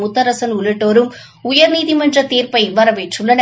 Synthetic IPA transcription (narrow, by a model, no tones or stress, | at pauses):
mʊt̪ːɐɾɐsɐnʊɭɯʈːoːɾɯm | ʊjɐɾniːðimɐndrɐt̪iːrpɐɪɪʋːɐɾɐʋeʈrɯlːɐnɐ